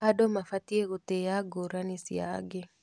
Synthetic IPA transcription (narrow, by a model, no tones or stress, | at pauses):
adomafat̪ieɣot̪ejaɡoɾanisja̰ɡe